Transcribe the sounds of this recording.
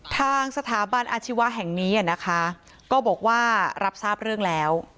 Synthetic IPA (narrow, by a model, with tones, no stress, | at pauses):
t̪ʰaː˧ŋsa˧t̪ʰaː˩˦ba˧nʔaː˧t͡ɕʰi˦˥wa˦˥ɦɛ˨˩ŋniː˦˥ʔa˨˩na˦˥kʰa˦˥ | kɔː˥˩bɔː˨˩k̚waː˥˩ɾa˦˥p̚saː˥˩p̚ɾɯ˥˩əŋlɛː˦˥w